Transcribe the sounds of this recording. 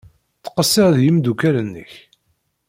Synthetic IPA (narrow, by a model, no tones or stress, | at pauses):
θə̥qəsːɪʁðjimd̪ukælənːə̰ç